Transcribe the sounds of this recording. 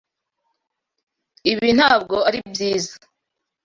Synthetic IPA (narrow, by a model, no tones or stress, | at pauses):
iβin̥haːbɡo̞aɾibjiːza